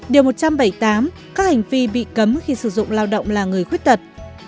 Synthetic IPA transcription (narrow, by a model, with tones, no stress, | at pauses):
ɗi˨˩mo˨˩t̚t͡ɕa˧mɓa˧˩jt̪aː˨˦m | kaː˦˥k̚ha˨˩jŋ̟vi˧ɓḭ˧˨kə˨˦mxi˧sɨ˧˩zʊ̰˧˨ŋ͡mlaː˧wɗə̰˧˨wŋ͡mlaː˨˩ŋɨ˨˩əjxwi˦˥t̚t̪ə˨˩t̚